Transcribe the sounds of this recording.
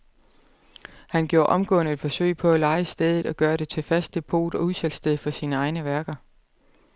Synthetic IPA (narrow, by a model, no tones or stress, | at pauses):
hænɡ̥jo̝ːɐʔɒ̽mɡ̥ɔ̰ːnəe̝d̥fɒ̽sø̰ɪ̰pʰɒ̽ælɑ̈ɪəsd̥eð̞ˠð̩ˠɒ̽ɡ̥ɶːɐɾe̝t͡sʰe̝fæsd̥e̝pʰo̝̰ːd̥ɒ̽uðˠsel̰sd̥eðˠfɒ̽siːnəɑ̈ɪnəʋæɐɡ̥ɐ